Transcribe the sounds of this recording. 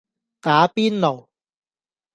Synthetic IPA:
t̪aː˨˥piː˥nlo˨˩w

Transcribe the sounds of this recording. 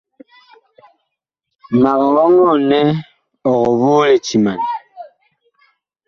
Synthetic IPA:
ma˨ɣa˨ɣɔ˦ŋɔ˦˨nɛ˦ | ɔ˨ɣɔ˨βoː˦le˨t͡ʃi˨ma˨n

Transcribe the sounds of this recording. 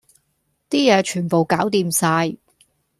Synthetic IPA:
t̪iː˥jɛː˨˧t͡ʃʰyː˨˩npo˨wkaː˨˥wt̪iː˧msaː˧j

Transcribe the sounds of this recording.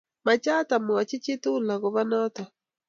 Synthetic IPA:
ma˨t͡ʃa˦ta˨m˨ɔ˨t͡ʃɪ˦t͡ʃɪ˦tu˦la˨ɣɔ˨βa˦nɔ˦tɔ˨

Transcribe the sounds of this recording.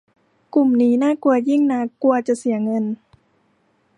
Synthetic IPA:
ku˨˩mniː˦˥naː˥˩ku˧ɐji˥˩ŋnaː˧˥ku˧ɐt͡ɕa˨˩si˩˦ɐŋɤ˧n

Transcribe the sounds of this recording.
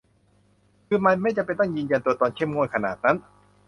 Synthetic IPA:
kʰɯː˧ma˦˧˥jma˥˩jt͡ɕa˨˩pe˧nt̪ɔ˥˩ŋjɯː˧nja˧nt̪u˧ɐt̪ɔː˧nkʰe˥˩˨mŋo˥˩˨jkʰa˧naː˨˩t̪̚na˦˥n

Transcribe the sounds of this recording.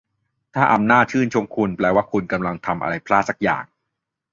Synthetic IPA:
t̪ʰaː˥˩ʔa˧mnaː˥˩t̪̚t͡ɕʰɯː˥˩nt͡ɕʰo˧ŋkʰu˧nplɛː˧waː˥˩kʰu˧nka˧mla˧ŋt̪ʰa˧mʔa̰˧ɾa˧jpʰlaː˥˩sa˦˩k̚ja̰ː˨˩ŋ

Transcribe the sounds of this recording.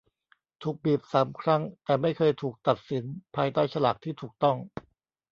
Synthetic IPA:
t̪ʰuː˨˩k̚bi˨˩p̚saː˩˦mkʰɾa˥˩ŋt̪ɛː˨˩ma˥˩jkʰɤː˧jt̪ʰuː˨˩k̚t̪a˨˩t̪̚si˩˦npʰaː˧jt̪aː˥˩jt͡ɕʰa˧laː˨˩k̚t̪ʰiː˥˩t̪ʰuː˨˩k̚t̪ɔ˥˩ŋ

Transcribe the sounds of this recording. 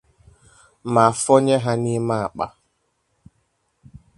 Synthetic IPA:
ma˨fɔ˦ɲe˦ɦa˦ni˦ma˦a˨k͡pa̰˦

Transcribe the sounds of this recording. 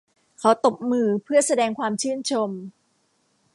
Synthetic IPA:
kʰa˦˥wt̪o˨˩p̚mɯː˧pʰɯ˥˩ɐsa˧dɛː˧ŋkʰwaː˧mt͡ɕʰɯː˥˩nt͡ɕʰo˧m

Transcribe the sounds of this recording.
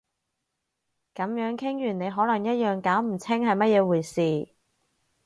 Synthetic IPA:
kɐ˨˧mjœː˨˥ŋkʰɪ˥ŋjyː˨˩ne˨˧jɦɔː˨˥lɐ˨˩ŋjɐ˥t̚jœː˨ŋkaː˨˥wm̩˨˩t͡sʰɪ˥ŋhɐ˨jmɐ˥t̚jɛː˨˧wuː˨˩jsiː˨˩

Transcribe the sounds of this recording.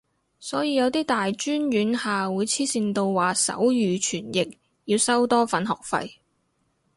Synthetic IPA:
sɔː˨˥jiː˨˧jɐ˨˧wt̪iː˥t̪aː˨jt͡ʃyː˥njyː˨˥nhaː˨wuː˨˧jt͡sʰiː˥siː˧nt̪o˧wwaː˨˩sɐ̰˨˥wjyː˨˩t͡ʃʰyː˨˩njɪ˨k̚ | jiː˧wsɐ˥wt̪ɔː˥fɐ˨˥nɦɔ̰ː˨k̚fɐ̰˧j

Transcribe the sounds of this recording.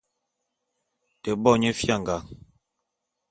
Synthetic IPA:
te˨bɔ˦˨ɲe˦fja˦˨ŋɡa˨ŋ

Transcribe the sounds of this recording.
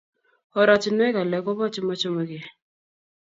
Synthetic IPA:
ɔ˨ɾa˨t͡ʃɪ˨nwɛ˦ka˨lɛ˨kɔ˦bɔ˦t͡ʃɪ˦mɔ˦t͡ʃɔ˦ma˨˦ɡe˨

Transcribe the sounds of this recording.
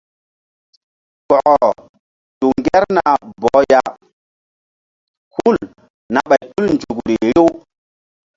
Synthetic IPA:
kɔ˨ʔɔ˨ | tu˨ŋɡɛ˦ɾna˨bɔ˨˦ja˦ | ku˦˨l | na˨ɓa˨jtu˦lnd͡ʒu˨kɾe˨ɾe˦

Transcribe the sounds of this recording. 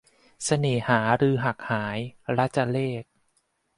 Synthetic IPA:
sa˧neː˨˩haː˩˦ɾɯː˧ɦa˨˩k̚haː˩˦jɾa˦˥t͡ɕa˧leː˥˩k̚

